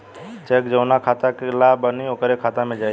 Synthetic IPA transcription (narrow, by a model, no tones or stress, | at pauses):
t͡ʃɛkd͡ʒəʊnakʰaːt̪akelabəniokəɾekʰaːt̪amẽd͡ʒaː